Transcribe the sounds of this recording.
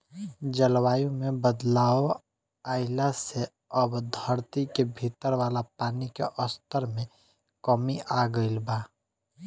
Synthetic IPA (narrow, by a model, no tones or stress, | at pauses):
d͡ʒəlwaːjũmẽbəd̪laːo | aːɪlase | əbd̪ʱəɾt̪ikebʱiːt̪əɾwaːlapaːnikeʔəst̪əɾmẽ | kəmiʔaɡəɪlbaː